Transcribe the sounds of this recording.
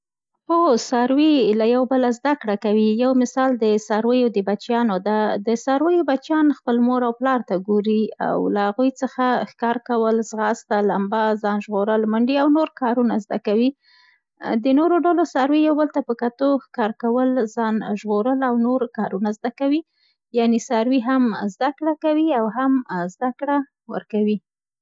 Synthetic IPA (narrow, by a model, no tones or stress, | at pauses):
xosɑɾwilajawbəlazd̪akɽakawijawmɪsɑld̪əsɑɾwəjod̪əbat͡ʃjɑnod̪ad̪əsɑɾwəjobat͡ʃjɑnxpəlmoɾawplɑɾt̪aɡoɾia̰wlaaɣujt͡səxaxkɑɾkawəlzɣɑst̪alambazɑnʒɣoɾəlmaɳɖiawnoɾkɑɾunazd̪a̰kawi | d̪ənoɾoɖalosaɾwijawbəlt̪apəkat̪oxkɑɾkawəlzɑnʒɣoɾəlawnoɾkɑɾunazd̪akawi | jɑnesaɾwiɦamzd̪akɽakawiawɦamzd̪akɽa | wə̰ɾkawi